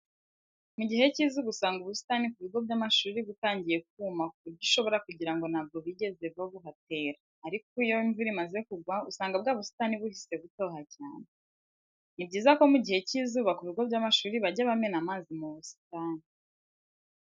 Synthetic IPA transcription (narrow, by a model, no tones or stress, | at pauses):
muɟihe̞cizuβusaːŋɡuβusi̥tanikuβiɡo̞bɟamaʃuːɾiβutaːɲɟije̞k̚uːmakuuɾɟuʃo̞βo̞ɾakuɟiɾaŋɡo̞naːbɡoβiɟe̞ze̞βaβuɦate̞ːɾaːɾikoijo̞iɱvuɾimazekuɡwausaːŋɡabɡaːβusi̥taniβuhise̞ɡuto̞ːɦacaːne | nibɟiːzako̞muɟihe̞cizuβakuβiɡo̞bɟamaʃuːɾiβaɟaβame̞namaːzimuβusi̥tani